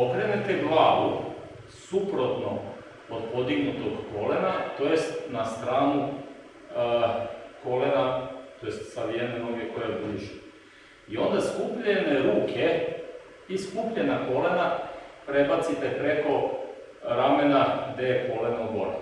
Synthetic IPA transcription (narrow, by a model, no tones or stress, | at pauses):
okɾenet̪eɡlˠaːʋu | supɾot̪no | od̪pod̪iɡnut̪oɡko̞lenat̪ojest̪nast̪ɾaːnu | ko̞lenat̪o̞jest̪saʋijaneɾovjekojabiʒi | io̞nd̪askupʎeneɾuːkʰe | iskupʎenako̞le̞napɾe̞bat̪sit̪e̞pɾe̞ko̞ | ɾame̞naɡd̪e̞jeko̞lenoɡo̞̰ɾḛ